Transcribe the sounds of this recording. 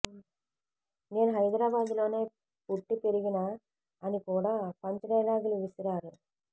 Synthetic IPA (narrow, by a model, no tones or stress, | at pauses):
neːnɦɐɪd̪ɾaːbaːd̪ɯloːneː | puʈːipɛɾɯɣinaː | ɐnikuːɽɐpɐɲd͡ʒɐɽɐjlaːɣilʋisɪɾaːɾɯ